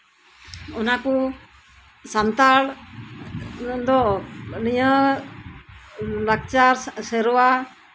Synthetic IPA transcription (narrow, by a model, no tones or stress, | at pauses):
ɔnaku | sant̪aɭ | d̪ɔnijə | lak̚t͡ʃaɾsɛɾɔwa